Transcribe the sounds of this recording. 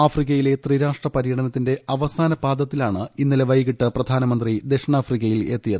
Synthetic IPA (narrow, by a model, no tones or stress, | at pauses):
aːfrikːɐjile̞t̪riːɾaːʂʈrɐpɐɾijɐɽɐnɐt̪ːinde̞ʔɐʋɐsaːnɐbaːd̪ʱɐt̪ːilaːɳɨinːileʋɐjɣiʈːɨprɐd̪ʱaːnɐmɐnd̪rid̪eʂɐɳaːfrikːɐjile̞̰t̪ːijɐðɨ